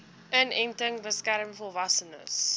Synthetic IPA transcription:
ʔənɛntəŋbəskæɾəmfɔlˠvɐsənə̰s

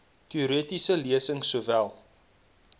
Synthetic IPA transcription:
tiːɾitisəliəsəŋsuəvælˠ

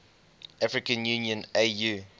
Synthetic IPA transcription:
ʔafɹikə̃njunijə̃neju

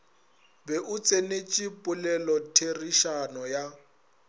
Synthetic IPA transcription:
bɛʔʊt͡sʼenet͡ʃʼipʼʊlɛlɔtʰeriʃanɔja

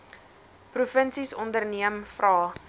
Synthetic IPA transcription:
prufənsisɔndərniəmfrɑː

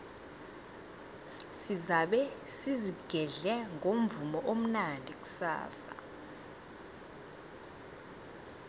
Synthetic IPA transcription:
sizaɓɛsiziɡ̥ʱɛɮɛŋʱom̩vumɔʔom̩nandʱik̬ʼu̥sa̰ːsa̰

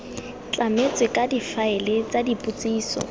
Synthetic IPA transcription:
t͡ɬʼamet͡sʼwɪkʼadifaɪlɪt͡sʼadipʼut͡sʼiːsɔ̰

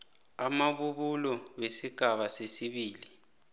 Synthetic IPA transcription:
amaɓuɓulɔwesiɡ̥ʱaɓasesiɓiːli

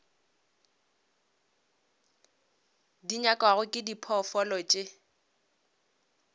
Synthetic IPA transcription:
diɲakʼwaɣʊkʼɪdipʰɔfɔlɔt͡ʃʼe

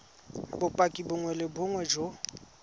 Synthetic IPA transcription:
bʊpʼakʼibʊŋwɛlɪbʊŋwɛd͡ʒo

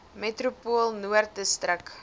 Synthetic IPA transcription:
metrupuəlˠnuərtəstrək

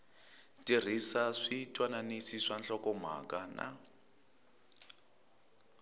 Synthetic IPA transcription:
tʼir̤isaʂitʼwananisiʂant͡ɬɔkɔm̤a̰kanʔa̰

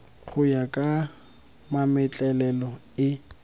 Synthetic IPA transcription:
k͡xʰʊjakʼa | mamɪt͡ɬʼɛlɛlɔɪ

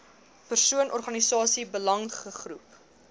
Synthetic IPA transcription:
pərsuənʔɔrχɐnisɑːsibəlɐŋχəχrup

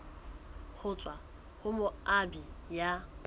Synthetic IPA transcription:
hʊt͡sʼwa | hʊmʊabija

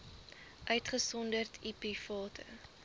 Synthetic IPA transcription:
ʔœɥtχəsɔndərtʰipifɑːtʰə̰

